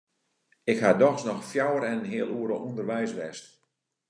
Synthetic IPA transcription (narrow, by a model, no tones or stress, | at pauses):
ɪkhadɔxsnɔxfjawəɾɛnənɦɪəlˠuəɾəundərʋɛjsʋɛst